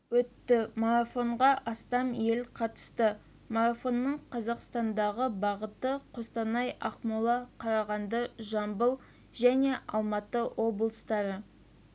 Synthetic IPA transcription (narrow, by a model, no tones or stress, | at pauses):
wɵt̪ːɪmoɾafo̞ɴʁɑʔɑst̪ɑme̞lqʰɑt̪ə̥st̪ə | moɾafo̞nːəɴqʰɑzɑqst̪ɑnd̪ɑʁəbɑʁət̪əqʰost̪ɑnɑjɑqmulˠɑqʰɑɾɑʁɑnd̪əʒɑmbəlˠ | ʒæne̞ʔɑ̰lˠmɑt̪əwʔo̞blˠəst̪ɑɾə